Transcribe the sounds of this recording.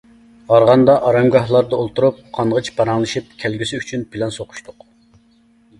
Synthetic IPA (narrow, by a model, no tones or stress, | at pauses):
ʁɑɾʁɑnd̪ɑʔɑɾɑmɡɑhlˠɑɾd̪ɑolˠt̪uɾup̚qʰɑnʁət͡ʃbɑɾɑŋlˠɨʃip̚kʲʰɛlɡʲisɪyt͡ʃʰynpʰɪlɛnsoqʰʊ̥ʃt̪ʰʊq